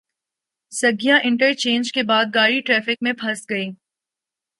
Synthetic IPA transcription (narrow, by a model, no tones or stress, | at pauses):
sɐɡijãʔɪ̃ɳʈəɾt͡ʃẽːnd͡ʒkebaːd̪̚ɡaːɽiʈɾɛːfɪk̚mẽpʰɐsɡɐiː